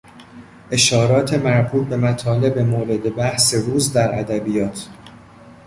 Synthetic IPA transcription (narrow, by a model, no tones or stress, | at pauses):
ʔe̞ʃɒːɾɒːt̪ʰe̞mæɾbuːt̪̚be̞mæt̪ʰɒːle̞bemoːɾe̞d̪e̞bæhseɾuːzd̪æɾʔæd̪æbijɒːt̪ʰ